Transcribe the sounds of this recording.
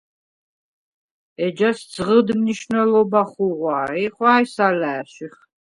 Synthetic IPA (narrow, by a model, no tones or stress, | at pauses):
ɛd͡ʒasd̪d͡zʁəd̪mniʃnɛlɔbaχuʁwaːɾiχwaːjsalæːʃiχ